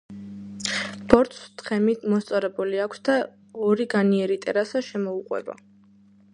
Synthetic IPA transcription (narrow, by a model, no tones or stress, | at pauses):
b̥ɔɾt̪st̪χɛmit̪ʰmɔst̪sʼɔɾɛbuliakʷʰsd̪a | ɔɾiɡaniɛɾit̪ʼɛɾasaʃɛmɔuqʼwɛ̰ba̰